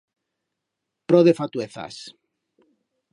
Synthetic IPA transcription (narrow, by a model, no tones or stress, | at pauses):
pɾoðefat̪ueθa̰s